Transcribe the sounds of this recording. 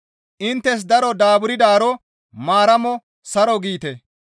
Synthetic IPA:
ʔɪnt̪ːɛs̬d̪ɐɾɔd̪aːbʊɾɪd̪aːɾɔ | maːɾɐmɔ | sɐɾɔɡiːt̪ɛ

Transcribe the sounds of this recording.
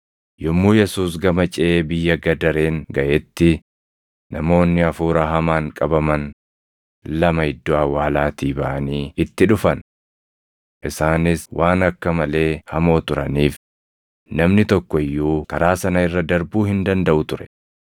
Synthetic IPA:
jɔmːuːjɛsuːs̬ɡɐmɐt͡ʃʼɛeːbɪjːɐɡɐd̪ɐɾe̞ːŋɡɐʔɛt̪ːɪ | nɐmo̞ːnːɪɐfuːɾɐɦɐmaːŋkʼɐbɐmɐn | lɐmɐhɪd̪ːɔawaːlaːt̪iːbɐʔɐniːɪt̪ːɪᶑʊfɐn | ʔɪsaːnɪswʔaːnɐkːɐmɐle̞ːhɐmo̞ːt̪ʊɾɐniːf | nɐmnɪt̪ɔkːɔɪjːuːkɐɾaːsɐnɐɪrːɐd̪ɐɾbuːhɪnd̪ɐnd̪ɐʔʊt̪ʊɾɛ̥

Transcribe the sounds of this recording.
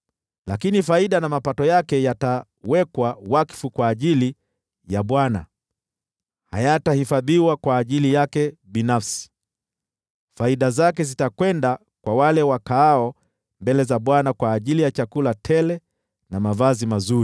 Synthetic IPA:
lakinifaiɗanamapatɔjakɛjata | wɛkwawaki̥fukwaːʄili | jaɓwana̰ | ha̰jatahifaðiwakwaːʄilijakɛɓinafsi̥ | faiɗazak̬ɛzitakwɛnda | kwawalɛwakaːɔ | mbɛlɛzaɓwanakwaːʄilijat͡ʃakulatʰɛlɛ | namavazimazuɾi

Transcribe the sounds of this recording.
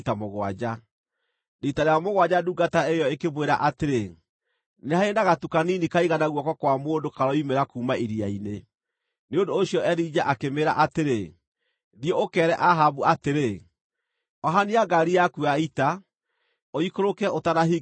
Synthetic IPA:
tamoɣwa̰d͡ʑa | netaɾeamoɣwad͡ʑaduɡataejɔekeβweɾa̰ʔateɾe | nehaenaɣatukaninikaiɣanaɣwɔkɔkwamoːndokaɾɔimeɾakuːmaiɾiaine | neondoːɕiɔɛɾid͡ʒaʔakemeɾaʔateɾe | ðjeokɛːɾɛʔaɦabuateɾe | ɔɦaniaɡaɾiakuaita | oikoɾokɛotanaɦi

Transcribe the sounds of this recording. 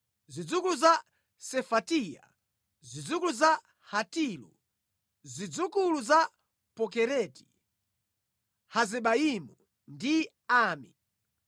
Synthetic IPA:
zid͡zukuluza | sɛfatija̰ | zid͡zukuluza | hatilṵ | zid͡zukuluza | pɔkɛɾɛti̥ | hazɛɓaimu | ndi | aːmi

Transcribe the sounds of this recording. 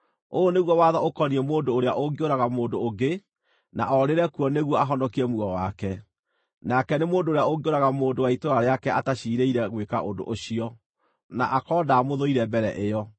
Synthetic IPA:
oneɣwɔwaðaokɔniɛmoːndoːɾeaʔoɡeoɾaɣamoːdoːɡe | na̰ʔɔɾeɾɛkuɔneɣwɔaɦɔndɔkiɾɛmuɔwakɛ | nakɛnemoːndoːɾeaoɡeoɾaɣamoːndowaitoɾaɾeakɛʔataɕiːɾeiɾɛɣweka̰ʔodo̰ʔoɕiɔ | naʔakɔːdaːmoðoiɾɛbɛɾɛʔeɔ

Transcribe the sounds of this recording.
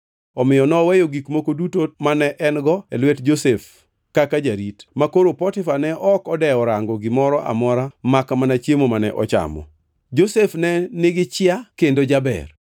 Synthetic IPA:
ɔmɪjɔnɔwɛjoɡikmokodutomanɛʔɛnɡɔelwetd͡ʒosef | kakad͡ʒaɾitmakoɾopɔtɪfanɛʔɔkɔdɛɔɾaŋɡɔɡɪmɔɾɔʔa̰mɔɾamakamanat͡ʃjemomanɛ̰ʔɔt͡ʃa̰mɔ̰ | d͡ʒosefnɛnɪɡɪt͡ʃɪakendod͡ʒabɛ̰r

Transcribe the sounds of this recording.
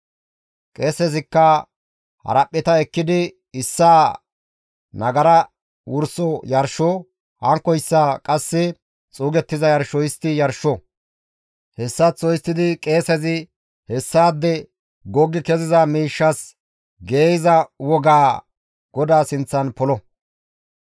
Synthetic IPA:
kʼeːsɛzɪkːɐ | hɐ̰ɾɐpʼːɪt̪ɐɛkːɪd̪ɪ | ɪsːaː | nɐɡɐɾɐ | wʊɾsɔjɐɾʃɔ | hɐŋkːɔjɪsːakʼɐsːɪ | t͡sʼuːɡɛt̪ːɪzɐjɐɾʃɔjɪst̪ːɪjɐɾʃːɔ | hɛsːɐt͡sːɔjɪst̪ːɪd̪ɪkʼe̞ːsɛzɪ | hɛsːaːd̪ːɛ | ɡɔɡːɪkɛzɪzɐmiːʃːɐs | ɡeːjɪzɐwɔɡaː | ɡ̥ɔd̪aːsɪnt͡sːɐnpɔlɔ

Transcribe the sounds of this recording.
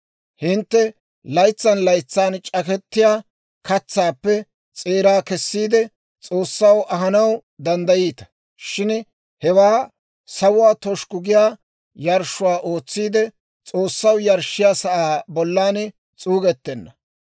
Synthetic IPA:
hɪnt̪ːɛ | lɐjt͡sːɐnlɐjt͡sːaːnt͡ʃʼɐkɛt̪ːɪjaː | kɐt͡sːaːpːɛ | t͡sʼeːɾaːkɛsːiːd̪ɛ | t͡sʼo̞ːsːɐwʔɐɦɐnɐwd̪ɐnd̪ɐjiːt̪ɐ̥ | ʃɪn | hɛwaː | sɐwʊwaːt̪ɔʃkʊɡɪjaː | jɐɾʃʊwaːʔo̞ːt͡sːiːd̪ɛ | t͡sʼo̞ːsːɐwjɐɾʃɪjaːsɐʔaːbɔlːaːn | t͡sʼuːɡɛt̪ːɛnːɐ

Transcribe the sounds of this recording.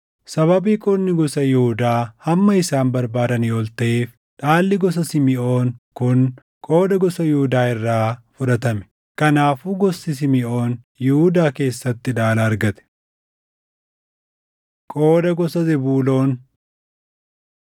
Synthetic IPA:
sɐβɐbiːkʼɔnːɪɡɔsɐjɪhʊd̪aːhɐmːɐɪsaːmbɐɾbaːd̪ɐniːɔlt̪ɐʔeːf | ᶑaːlːɪɡɔs̬ɐsɪmɪo̞ːnkʊŋ | kʼoːd̪ɐɡɔsɐjɪhʊd̪aːɪrːaːfʊᶑɐt̪ɐmɛ̥ | kɐnaːfuːɡɔsːɪs̬ɪmɪʔo̞ːn | jɪhʊd̪aːke̞ːsːɐt̪ːɪᶑaːlaːɾɡɐt̪ɛ̥ | kʼo̞ːd̪ɐɡɔsɐzɪbuːlo̞ːn

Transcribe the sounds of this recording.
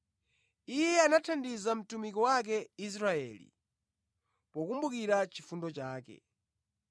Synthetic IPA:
ijɛanatʰandizam̩tumikɔwak̬ɛis̬ɾaɛ̰ːlḭ | pɔkumbukiɾat͡ʃifundɔt͡ʃaːkɛ̰

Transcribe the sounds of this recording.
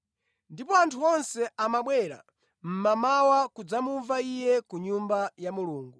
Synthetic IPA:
ndipɔantʰuɔnsɛamaɓwɛɾa̰ | m̩mamawakud͡zamuɱvaijɛkuɲumbajamuluːŋɡu

